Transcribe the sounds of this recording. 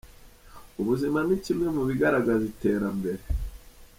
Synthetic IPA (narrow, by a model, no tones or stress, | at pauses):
uβuzimanicimŋemuβiɡaɾaɡazite̞ːɾambe̞ɾe̞